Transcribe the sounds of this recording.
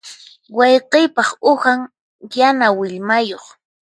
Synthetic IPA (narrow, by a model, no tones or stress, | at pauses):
wɑjqɪjpɑχʊhaŋ | janawɪʎmajoχ